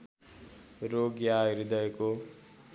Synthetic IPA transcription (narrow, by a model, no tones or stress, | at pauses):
ɾoɡjaiɾid̪ʌeko